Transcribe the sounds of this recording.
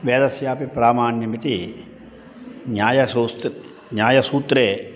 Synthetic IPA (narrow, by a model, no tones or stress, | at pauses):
ʋeːd̪ɐsjaːpipɾaːmaːnjɐmit̪i | ɲaːjɐsuːst̪ | ɲaːjɐsuːt̪ɾeː